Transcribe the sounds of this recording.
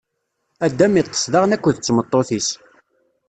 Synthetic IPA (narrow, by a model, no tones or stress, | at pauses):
æd̪ːæmit̪ˤːə̥sðɑʁnækʷːəðət͡sːmət̪ˤːoθis